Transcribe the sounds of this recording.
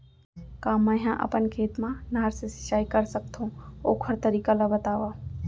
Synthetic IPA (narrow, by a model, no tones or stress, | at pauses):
kãːmə̃ɦãʔə̰pənkʰeːt̪mãnaːɾsesɪ̥ʃaːikəɾsəkt̪ʰũo̰ːkʰəɾt̪əɾiːkalabət̪aːʋaː